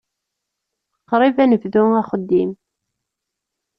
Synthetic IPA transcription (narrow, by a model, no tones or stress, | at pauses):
qːɾˤivænəvðʊŋæχəd̪ːim